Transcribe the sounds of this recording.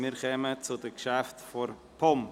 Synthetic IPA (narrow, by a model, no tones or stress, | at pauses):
miːɾkɛmət͡sʊdəkʃaftfɔɾ | pʰɔm